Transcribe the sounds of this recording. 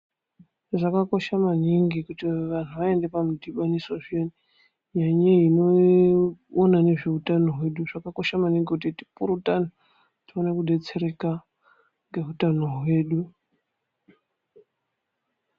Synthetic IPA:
ʐakako̞ʃamaniŋɡikutiʋan̤uʋae̞nde̞pamudiɓanisoʐieni | ɲaɲeino̞ | onane̞ʐeutano̞ɦwe̞ɗuʐ̥akako̞ʃamaniŋɡikutiti̥puɾutan̤o | tionekuɗe̞t͡se̞ɾe̞ka | ŋɡe̞ɦutano̞ɦwe̞ːɗu

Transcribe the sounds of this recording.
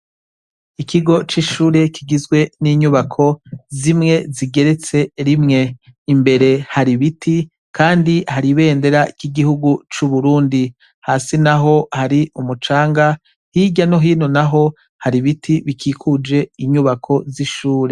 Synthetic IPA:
ikʰiɡo̞t͡ʃiʃuːɾe̞kʰiɡizɡwe̞niːɲuβakʰo̞zimŋe̞ziɡe̞ɾe̞t͡se̞ɾimŋe̞imbe̞ɾe̞haɾiβitʰi | kʰaːndihaɾiβe̞ːnde̞ɾaikiɡihuɡut͡ʃuβuɾuːndi | haːsinaɦo̞haɾiumut͡ʃaːŋɡa | hiɟanoɦiːno̞naɦo̞ | haɾiβitʰiβikʰiːkʰud͡ʒe̞iɲuβakʰo̞ziʃuːɾe̞

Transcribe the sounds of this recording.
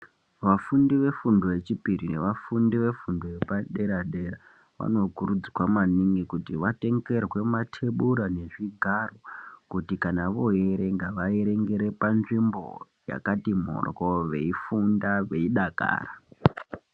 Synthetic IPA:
ʋafundiʋe̞fundo̞ʋe̞t͡ʃipirine̞ʋafundiʋe̞fundoepaɗe̞ɾaɗeɾa | ʋa̰no̞kuɾud͡ziwamaniŋɡikutiʋate̞ŋɡe̞rwe̞matʰe̞ɓuɾane̞ʐiɡʱarokutikanaʋo̞ɦeɾe̞ŋɡaʋaeɾe̞ŋɡe̞ɾe̞panʐimbo̰ | ja̰katimo̰rkoʋe̞ifundaʋe̞iɗaka̰ːra

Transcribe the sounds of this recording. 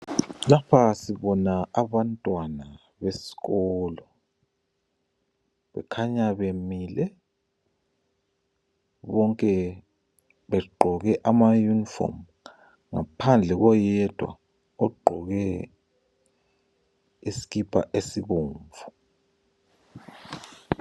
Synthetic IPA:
lapʰasiβɔnaaβantʼwana | βesi̥ɣɔːlɔ | βɛ̰kʰaɲaβemilɛ | βɔŋkʼɛ | βɛɡ͡ǃʱɔɣɛʔamajunifɔ̰m | ŋa̰pʰand͡ɮʱɛɣɔjɛd̥ʱwa̰ | ɔɡ͡ǃʱɔɣɛ | isi̥ɣipʰa̰ʔesiβoːɱvu

